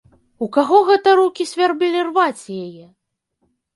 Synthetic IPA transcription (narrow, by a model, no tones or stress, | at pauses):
ukaɣɔɣɛt̪ɐɾukʲisʲvʲarbɨlʲirvat͡sʲjajɛ